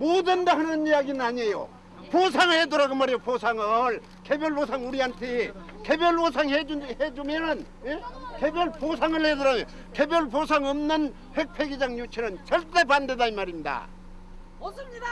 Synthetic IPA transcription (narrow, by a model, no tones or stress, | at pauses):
modɯndahanɯnijaɡinɯnaɲejo̰ | posʰaŋɯɭhedɯɾaɡomaɾoposʰaŋɯɭ | ke̞bjʌɭbosʰaŋuɾiantʰe | ke̞bjʌɭosʰaŋɦehed͡ʑumenɯn | jeke̞bjʌɭpos̬ʰaŋɯɭhedɯɾaɡo | ke̞bjʌɭposʰaŋʌmnɯn | he̞k̚pʰe̞ɡid͡ʑaŋɲut͡ɕʰenɯnt͡ɕʌɭt͈e̞pandedaimaɾinda̰